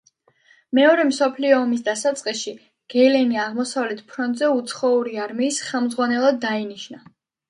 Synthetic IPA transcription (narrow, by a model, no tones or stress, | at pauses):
mɛɔɾɛmsɔpʰliɔːmis̬d̪asat̪sʼqʼisʃi | ɡ̥ɛlɛniaʁmɔsavlɛt̪ʰpʰɾɔnt̪ʼzɛut̪sʰχɔuɾiaɾmiːsχɛlˠmd̪zʁwanɛlˠad̪ːainiʃna